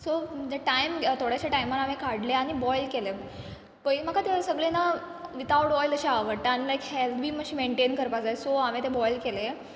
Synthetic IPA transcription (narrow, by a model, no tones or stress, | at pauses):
som̤əd͡ʑeʈajmt̪ʰoɽjaɕaʈajmaɾamekaɽleaɽ̃ibɔjlkele | pəjmakʰat̪esəɡɭena | ʋit̪aʋʈbɔjləɕeaʋəʈanlajkhɛlt̪ʋiːməɕiːmeɳʈenkəɾpad͡zaesoamẽt̪ebɔjlkele